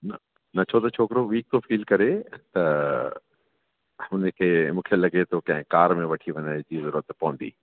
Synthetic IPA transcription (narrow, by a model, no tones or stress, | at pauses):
nɐ | nɐt͡ɕʰot̪ɐt͡ɕʰoːkɾoʋiːk̚t̪ofiːlkɐɾet̪ɐ | hʊnẽkʰemũːkʰelɐɡet̪ʰokɐ̃ɦɪ̃kaːɾmẽʋɐʈʰiʋɐ̃ɲad͡ʑizɐɾuːət̪pɐɦʊ̃nd̪ḭː